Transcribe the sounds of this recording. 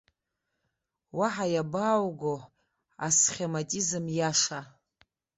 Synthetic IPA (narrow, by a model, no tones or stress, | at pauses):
waħajabaːwɡo | a̰sχʲematʼizɨmjaʂa